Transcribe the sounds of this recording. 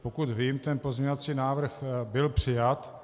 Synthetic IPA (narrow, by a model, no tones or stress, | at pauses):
pokut̪viːmt̪ɛnpo̞zɲɲovat͡siːnaːvr̩xbɪlpr̝̥ɪjat̪